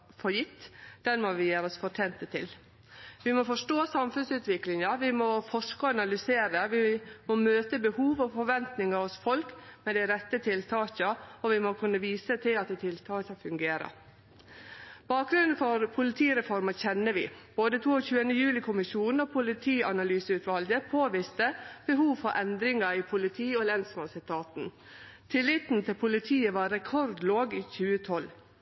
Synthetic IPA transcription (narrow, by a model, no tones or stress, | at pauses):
fɔɾjɪt̪ːd̪̥ɛnmɔʋɪjeːɾɔsfɔʈʰeːnt̪ət̪ʰɪl | ʋɪmɔfɔʂʈoːsɑmfʉnsʉːt̪ʋɪklɪŋɑʋɪmɔfɔʂkəɑnɑlʏseːɾəʋɪmɔmøːt̪əbəhuːʋɔfɔɾʋɛnt̪nɪŋɑɔsfɔlkmɛd̪æɪɾɛt̪ːət̪ʰɪlt̪ʰɑːɕəɔʋɪmɔkʰʉnːəʋiːsət̪ʰɪlɑt̪̚d̪ɛɪt̪ʰɪlt̪ʰɑːçɑfʉŋɡeːɾə̰ | b̥ɑːk̚ɡɾʉnn̩fɔɾpʰʊlɪt̪ʰiːɾɛfɔɾmɑçɛnːəʋɪb̥oːd̪ət̪ʰuːoçʉːənəjʉːlɪkʰʊmɪʃuːnn̩oːpʰʊlɪt̪ʰiːɑnɑlyːsəʉːt̪ʋɑlɡəpʰoːʋɪst̪əb̥əɦuːʋfɔʔɛnd̪ɾɪŋɑiːpʰʊlɪt̪ʰiːɔlɛnsmɑnsɪt̪ʰɑːt̪n̩ | t̪ʰɪlːɪt̪n̩t̪ʰɪlpʰʊlɪt̪ʰiːəʋɑːɾɛkʰɔɾd̪loːɡiːçʉːət̪ʰɔl